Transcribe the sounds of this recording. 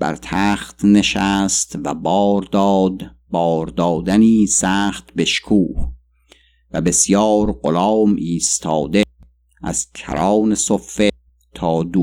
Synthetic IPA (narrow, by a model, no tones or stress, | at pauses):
b̥æ̰ɾt̪ʰæːχt̪ne̞ʃæːst̪væbɒːɾd̪ɒːd̪ | bɒːɾd̪ɒːd̪æniːsæːχt̪be̞ʃkʰuːh | væbe̞sjɒːɾɢolɒːmʔiːst̪ʰɒːd̪e | ʔæ̰z̥cʰæ̰ɾɑːnesofːe | t̪ʰɒːd̪u